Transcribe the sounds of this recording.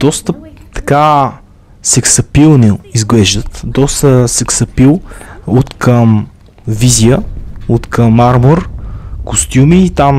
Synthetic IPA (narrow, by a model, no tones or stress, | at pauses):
d̪̥ɔst̪əpt̪ɐ̥ka | sɛksɐpilˠniizɡlɛʒd̪ət̪d̪ɔst̪əsɛksɐpilˠot̪kʰəm | vizijəot̪kəmːaɾmoɾkost̪ʲjumiːt̪am